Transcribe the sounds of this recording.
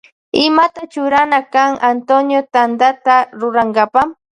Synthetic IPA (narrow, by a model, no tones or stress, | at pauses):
ɪmat̪at͡ʃʊɾanakaŋant̪onjot̪and̪at̪aɾʊɾaŋɡapam